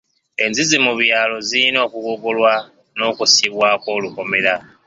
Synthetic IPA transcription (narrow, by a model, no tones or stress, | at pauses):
e̞nzizimuβjaːlo̞ziino̞ːkuɡoɡolwa | no̞ːkusiβwaːko̞ːluko̞me̞ɾa